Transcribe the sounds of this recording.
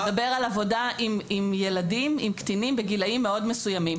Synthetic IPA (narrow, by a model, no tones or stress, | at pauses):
be̞ʁalavo̞daʔimimjeladimimkt̪inimbeɡilaimːeo̞dmesujamim